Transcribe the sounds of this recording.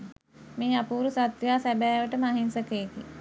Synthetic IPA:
meːapuːɾusat̪ʋjaːsæbæːʋəʈəmaɦensəkeːki

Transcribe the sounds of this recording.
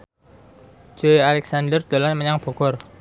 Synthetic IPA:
d͡ʒ̥oealɛksand̪ərd̪̥o̤lanməɲaŋb̥ɔ̤ɡ̥ɔr

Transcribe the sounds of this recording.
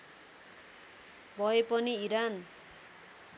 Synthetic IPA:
bʌepʌniiɾan

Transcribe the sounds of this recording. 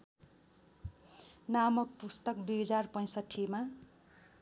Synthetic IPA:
namʌk̚pust̪ʌk̚d̪ujɦʌd͡zarpʌj̃sʌʈʰːima

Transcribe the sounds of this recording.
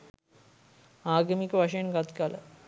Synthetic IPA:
aːɡəmikəʋaʂəjənɡat̪kalə̰

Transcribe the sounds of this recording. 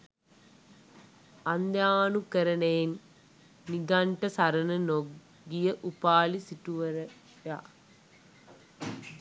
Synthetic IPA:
ɐnd̪jaːnukːɐɾɐnejnː | iɡaɳʈɐsɐɾɐnɐno | ɡijɐʔupaːlisiʈːuʋɐɾɐ | ja̰

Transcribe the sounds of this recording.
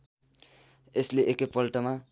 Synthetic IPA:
esleʔekepʌlʈʌma

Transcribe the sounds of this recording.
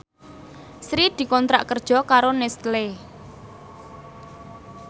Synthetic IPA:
sɾid̪̥i̤kɔnt̪ɾa̰ʔkərd̥ʒ̥ɔ̤kaɾonɛst̪le

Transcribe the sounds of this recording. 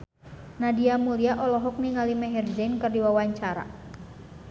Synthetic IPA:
nadiamuliaʔɔlɔɦɔk̚niŋalimɛɦɛrd͡ʒɛnkərdiwawaɲt͡ʃaɾa̰

